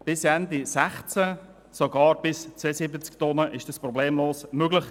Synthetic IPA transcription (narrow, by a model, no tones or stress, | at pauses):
b̥ɪsɛnd̪isæχt͡sə | soɡɑːɾb̥ɪst͡seːsɪbət͡skt̪ɔnəʔɪʃd̥ɑsprɔbleːmloːsmøɡlɪχ